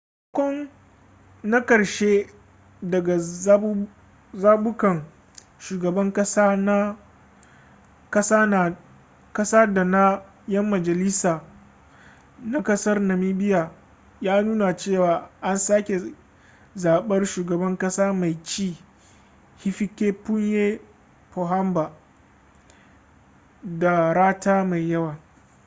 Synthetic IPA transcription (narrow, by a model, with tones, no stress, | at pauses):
u˦kkʷɔ˦n | na˦kɐ˨ɽʃe˦ | dɐ˨ɡa˨˦ | zaː˦ɓʊ˦kɐ˨ŋ | ʃuː˨ɡɐ˨bɐ˦ŋkʼɐ˦saː˦na˦ | kɐ˦saː˦na˨ | kɐ˦sa˦da˨na˦ | jɐ˦mːɐ˨d͡ʒɐ˨liː˦saː˨ | na˦kɐ˦sɐ˦rnɐ˨miː˦bɪ˦jaː˨ | jaː˦nuː˦na˨t͡ʃeː˦˨waː˨ʔa˦nsaː˦kʲe˨ | zaː˨ɓɐ˦rʃuː˨ɡɐ˨bɐ˦ŋkɐ˦saː˦ma˨jt͡ʃiː˦ | hi˦ɸi˦kʲe˦pʊ˦ɲjeː˦ | po˨ɦa˦mba˨ | da˨ɾaː˦taː˦ma˨jːɐ˦waː˨